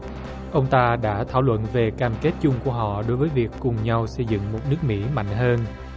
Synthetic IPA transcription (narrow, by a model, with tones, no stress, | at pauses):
ʔə˧wŋ͡mt̪aː˧ɗa̰ː˧˥t̪ʰaː˧˩wlwə̰˧˨nve˨˩kaː˧mke˦˥t̚t͡ɕʊ˧ŋ͡mku˧˩əɦɔ̰˧˨ɗo˨˦jvəː˨˦jvi˨˩əkːʊ˨˩ŋ͡mɲa˧wsə˧jzɨ̰˧˨ŋmo˨˩t̚nɨ˦˥ək̚mḭ˧˥ma̰˧˨jŋ̟ɦəː˧n